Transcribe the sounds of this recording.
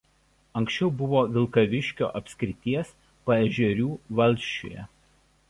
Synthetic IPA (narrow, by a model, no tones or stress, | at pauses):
ɐŋʲkʲsʲt͡ʃʲɛʊbʊʋoːʋʲɪlˠkɐʋʲɪʃʲkʲo̰ːʔɐpʲsʲkʲɾʲɪt̪ʲiɛs | pɐɛʒʲɛɾʲuːʋɐlʲˑʃʲt͡ʃʲo̰ːjɛ̰